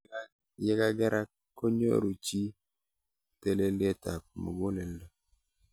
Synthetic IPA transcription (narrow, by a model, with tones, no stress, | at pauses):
jɛ˦ka˦ɡɛ˦ɾʔa˦ | kːo˦ɲo̰˦ɾu˨t͡ʃi˦ | te˦le˦lɪ˦e˦ta˨k̚mo̰˨ɡo˦lɛ˨ldɔ˨